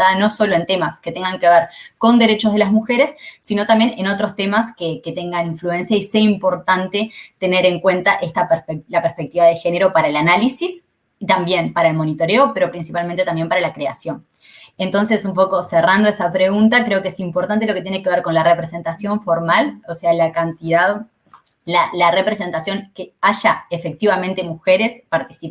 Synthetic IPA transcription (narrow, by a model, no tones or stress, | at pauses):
ano̞solo̞e̞nt̪e̞masket̪e̞ŋɡaŋke̞βeɾko̞nd̪e̞ɾe̞t͡ʃo̞zð̞e̞lazmuxe̞ɾe̞sːino̞t̪ambje̞neno̞t̪ɾo̞st̪e̞maskeket̪e̞ŋɡaniɱflue̞nsjaiseimpo̞ɾt̪ant̪e̞t̪e̞ne̞ɾe̞ŋkwe̞nt̪aʔest̪apelapeɾspek̚t̪iβaðexe̞neɾo̞paɾaelanalisis | t̪ambje̞mpaɾae̞lmo̞nit̪o̞ɾe̞ope̞ɾo̞pɾinsipalmẽnt̪et̪ambje̞mpaɾalakɾeasjo̞n | e̞nt̪o̞nse̞sumpo̞ko̞serand̪o̞esapɾe̞ɣunt̪akɾe̞okeesimpo̞ɾt̪ant̪̬e̞lo̞ket̪jene̞ke̞βeɾko̞nlare̞pɾese̞nt̪asjo̞ɱfo̞ɾmalosealakant̪iðað | lalare̞pɾese̞nt̪asjo̞nkeaʒaefe̞k̚t̪iβamẽnt̪e̞muxe̞ɾe̞spaɾt̪isip